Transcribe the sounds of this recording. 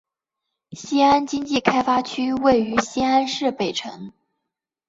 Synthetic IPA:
ɕi˥a˥nt͡ɕi˥ŋt͡ɕi˥˩kʰa˥ɪfa˥t͡ɕʰy˥we˥˩ɪy˧˥ɕi˥a˥nʂɻ̩˥˩pe˨˩ɪʈ͡ʂʰɤ̰˧˥ŋ

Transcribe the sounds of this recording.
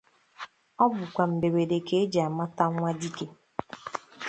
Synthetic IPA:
ɔ˦bʊ˨kʷa˨m̩˨be˨we˨de˨ke˦e˦d͡ʒa˨a˨ma˦ta˦ŋʷa˦di˦ke˨

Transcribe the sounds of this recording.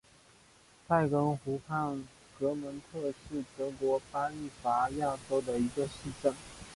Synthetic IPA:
t̪ʰa˥˩ɪkə˧˥ŋxu˧˥pʰa˥˩n | kɤ˧˥mə˧˥nt̪ʰɤ˥˧ʂɻ̩˥˩t̪ɤ˧˥kwɔ˧˥pa˥i˥˩fa˧˥ja˥˩ʈ͡ʂo˥ʊd̪ə˨i˧˥ɡə˧ʂɻ̩˥˧ʈ͡ʂə˥˩ŋ

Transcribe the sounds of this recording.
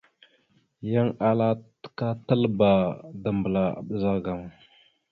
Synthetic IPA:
ja˦ŋa˦la˦tka˦ta˦lba˨da˨mbə˨la˨a̰˨ɓə˨za˦ɡa˨m˨

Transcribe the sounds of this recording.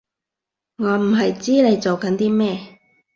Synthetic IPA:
ŋɔː˨˧m̩˨˩ɦɐ˨jt͡siː˥ne˨˧jt͡so˨wkɐ˨˥nt̪iː˥mɛː˥

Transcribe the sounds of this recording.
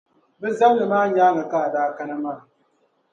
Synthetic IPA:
bɨ˦za˦mnɨ˨maː˦ɲaː˦ŋa˨ka˦˨daː˦ka˦na˦maː˦˨

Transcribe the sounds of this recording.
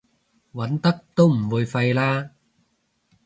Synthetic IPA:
wɐ˨˥nt̪ɐ˥k̚t̪o˦˥wm̩˨˩wu˨˧jfɐ˧jlaː˦˥

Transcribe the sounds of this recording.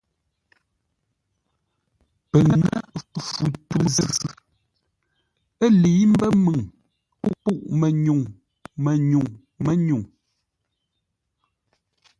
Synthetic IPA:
pə˨ŋə̰˦fu˨tə˨zə˦˨ | ə˦li˨˦m̩˦bə˦mɨ˨ŋ | pu˦ʔpu˦˨ʔmɛ˨ɲu˨ŋ | mɛ˨ɲu˨ŋ | mɛ˦ɲu˨ŋ

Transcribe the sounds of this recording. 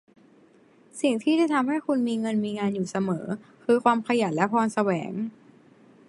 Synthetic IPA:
si˨˩ŋt̪ʰiː˥˩da˥˩jt̪ʰa˧mɦa˥˩jkʰu˧nmiː˧ŋɤ˧nmiː˧ŋaː˧njuː˨˩sa˧mɤː˩˦kʰɯː˧kʰwaː˧mkʰa˧ja˨˩t̪̚lɛ˦˥pʰɔː˧nsa˧wɛː˩˦ŋ

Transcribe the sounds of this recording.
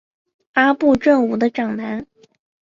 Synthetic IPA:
a˥pu˥˧ʈ͡ʂɤ˥˩ŋu˨˩d̪ə˦ʈ͡ʂɑ˨˩ŋna˧˥n

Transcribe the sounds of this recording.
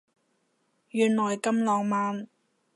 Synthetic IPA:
jyː˨nlɔː˨˩jkɐ˥mlɔː˨˧ŋmaː˨˧n

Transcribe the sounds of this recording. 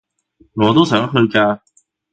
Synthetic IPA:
ŋɔː˨˧t̪o˥wsœː˨˥ŋɦɵ˧ɥkaː˧

